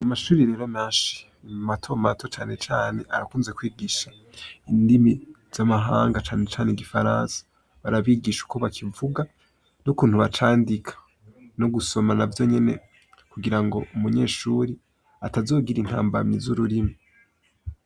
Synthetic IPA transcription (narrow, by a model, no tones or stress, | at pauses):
amaʃuːɾiɾe̞ɾo̞meːʃi̥ | matʰo̞matʰo̞t͡ʃaːne̞t͡ʃaːne̞ʔaɾakuːnzekwiːɡiʃa | indimi | z̥amaɦaːŋɡat͡ʃaːnet͡ʃaːneɡifaɾaːnsḁ | βaɾaβiːɡiʃu̥kʰo̞βakʰivuɡa | nukuːn̥huβat͡ʃaːndikʰḁ | no̞ɡuso̞manavjo̞ɲe̞ne̞̰ | kuɡiɾaŋɡo̞umuɲe̞ːʃuːɾi | atazo̞ːɡiɾinha̰ːmba̰mɲizuɾuɾima